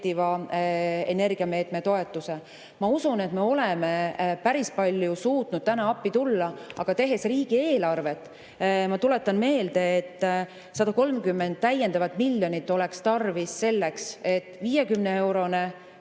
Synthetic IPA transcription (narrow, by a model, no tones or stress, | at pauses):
t̪ivɑ | ene̞rɡ̥iɑme̞ːt̪met̪o̞e̞t̪ˑːuse̞ | mɑusune̞t̪me̞o̞leme̞pæɾispɑlʲjusuːt̪nud̥̪̚t̪ænɑɑpːit̪ulːɑɑɡ̥ɑt̪e̞ɦe̞sriːɡ̥ie̞ːlɑrve̞t̪ːˑ | mɑt̪ule̞t̪ːˑɑnme̞ːld̪̥e̞ːt̪ː | sɑd̪ɑko̞lmkymːend̪̥̚t̪æje̞nd̪̥ɑvɑt̪ˑmilːjo̞nit̪ːo̞lekst̪ɑrvisːe̞lːe̞kse̞t̪ːˑviːjekymnee̞wɾo̞ne